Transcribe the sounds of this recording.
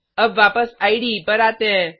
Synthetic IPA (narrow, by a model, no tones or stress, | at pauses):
əbʋaːpəsaiɽipəɾat̪ɛ̃